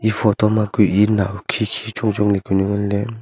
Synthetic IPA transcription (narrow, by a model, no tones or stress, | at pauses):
ipʰɔt̪ɔmakuʔinawkʰikʰit͡ʃuŋd͡ʒɔŋlekunɯŋɯnle